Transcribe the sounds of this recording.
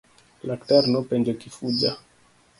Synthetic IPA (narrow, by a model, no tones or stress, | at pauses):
lakt̪ɛɾnopend͡ʒekifud͡ʒa